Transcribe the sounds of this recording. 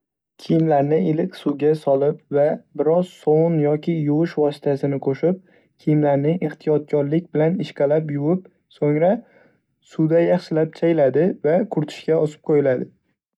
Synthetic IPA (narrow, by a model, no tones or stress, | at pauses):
kʲʰijɪmlaɾnɪɪlɪkʲsuɡʲasɒlɪpvabɪɾɒz̥sownjɒkʲʰɪjʊwɪʃvɒsɪ̥t̪ʰasɪnɪqʰoʃɪp̚ | kʲʰijɪmlaɾnɪŋeχt̪ʰijɒt̪̚kʰʲɒɾlɪk̚ʲbɪlanɪʃqɑlapjʊwɪp̚ | soŋɾa | sud̪ajɑχʃɪlap̚t͡ʃʰajlad̪ɪvakʰʊɾt̪ʰɪ̥ʃkʲaɒsɪ̥p̚qʰojɪlad̪ɪ